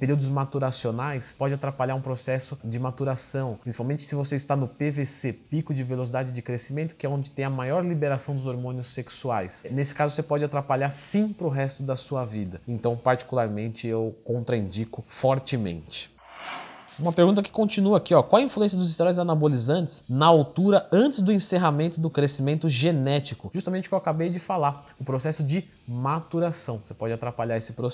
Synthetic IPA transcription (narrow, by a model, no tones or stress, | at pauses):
peɾiwd̪ʊzmat̪uɾasionajspɔd͡ʒɪat̪ɾapaʎaɾũpɾosɛsʊd͡ʒɪmat̪uɾasɐ̃w̃pɾĩsi̥pawmẽnt͡ʃɪ̥sɪvoseist̪anʊpevesepikʊd͡ʒɪvelos̬id̪ad͡ʒɪd͡ʒɪkɾesimẽnt̪ʊkɪɛõd͡ʒɪt̪ẽj̃ɐmajɔɾlibeɾasɐ̃w̃d̪ʊzoɾmõnɪʊsːeksuajsnesɪ̥kazʊvosepɔd͡ʒɪat̪ɾapaʎaɾsĩpɾʊɦɛst̪ʊd̪ɐsuɐvid̪ɐẽnt̪ɐ̃w̃paɾt͡ʃi̥kulaɾmẽnt͡ʃɪewkõnt̪ɾɐĩnd͡ʒikʊfɔɾt͡ʃɪmḛ̃nt͡ʃɪ̥ | ũmɐpeɾɡũt̪ɐkɪ̥kõt͡ʃinuɐakiɔkwawɛɐĩfluẽsjɐd̪ʊzist̪eɾɔjzanabolizɐ̃ntt͡ʃɪ̥snɐawt̪uɾɐɐ̃nt͡ʃɪzd̪ʊẽseɦamẽnt̪ʊd̪ʊkɾesimẽnt̪ʊʒenɛt͡ʃikʊʒust̪amẽnt͡ʃɪkewakabejd͡ʒɪfalaɾʊpɾosɛsʊd͡ʒɪ | mat̪uɾasɐ̃w̃sepɔd͡ʒɪat̪ɾapaʎaɾesɪpɾo